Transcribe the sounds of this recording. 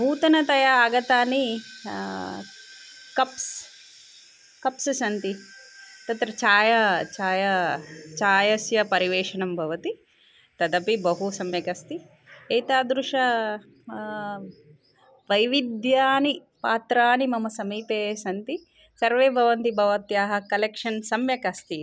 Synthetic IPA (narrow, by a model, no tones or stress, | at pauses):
muːt̪ɐnɐt̪ɐjɐːɡɐt̪aːni | kɐps | kɐpsɐʃɐnt̪it̪ɐt̪ɾɐt͡ʃaːjɐt͡ʃaːjɐt͡ʃaːjɐsjɐpɐɾiʋeːʂɐɳɐmbʱɐʋɐt̪i | t̪ɐd̪ɐpibɐɦusɐmjɐkɐst̪i | eːjt̪aːd̪ɾuʂɐ | ʋɐjʋid̪jaːni | paːt̪ɾaːnimɐmɐsɐmiːpeːsɐnt̪i | sɐɾʋeːbʱɐʋɐnt̪ibʱɐʋɐt̪jaːɦɐ̆kɐlekʂɐnsɐmjɐkɐst̪i